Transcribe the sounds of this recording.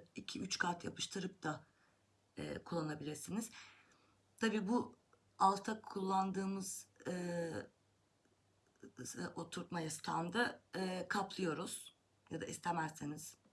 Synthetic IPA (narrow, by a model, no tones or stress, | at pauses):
icʰiyt͡ʃkʰat̪ʰja̰pʰɯʃt̪ʰɯɾɯp̚t̪ʰa | ɛ̰ːkʰulˠːanabilʲiɾsiniz̥ | t̪ʰabiːbu | alˠt̪ʰakʰulˠːand̪ɯːmɯz̥ɯ | ʔot̪ʰuɾt̪majast̪ʰa̰nd̪aːkʰaplˠɯjo̞ɾuz̥ | jad̪a̰ʔist̪ʰemæɾsiniz̥